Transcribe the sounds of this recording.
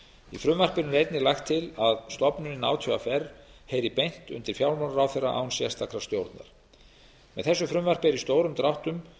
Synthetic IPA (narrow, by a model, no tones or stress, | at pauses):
ifɾʏmvar̥pɪɾnʏɾejt̪nɪlajxt̪ʰːɪlaðst̪ɔpnʏnɪna̰ːwt̪ʰjœa̰fɛrːhejɾɪpejn̥t̪ʏ̰nt̪ɪɾ̥fjawlmanaɾawθɛrːaʔa̰ːwnsɛst̪ʰakʰɾḁst̪jowɾt̪na̰ɾ̥ | mɛ̰ðθɛsːʏfɾʏmvar̥pɪɛɾist̪oːwɾʏmt̪ɾawht̪ʏm